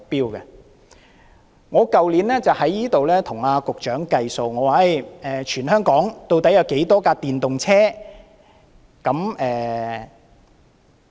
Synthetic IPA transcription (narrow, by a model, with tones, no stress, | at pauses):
ʊ˨k̚piː˥wkɐ˧ | ŋɔː˨˧kɐ˨wliː˨˥nlɛː˥t͡sɐ˨whɐ˨˥jːiː˥t̪o˨wlɛː˥t̪ʰʊ˨˩ŋaː˧kʊ˨k̚t͡ʃœː˨˥ŋkɐ˧jso˨wŋɔː˨˧waː˨e˥˩jɛː˨˩t͡ʃʰyː˨˩nhœː˥ŋkɔː˨˥ŋt̪o˧wt̪ɐ˨˥jɐ˨˧wke˨˥jt̪ɔː˥kaː˧t̪iː˨nt̪ʊ˨ŋt͡sʰɛː˥ | kɐ˨˥mɛː˨